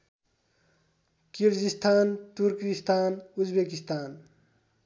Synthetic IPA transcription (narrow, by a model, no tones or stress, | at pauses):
kiɾd͡ʒist̪ʰaːnt̪uɾkist̪ʰanud͡ʒbekist̪ʰaːn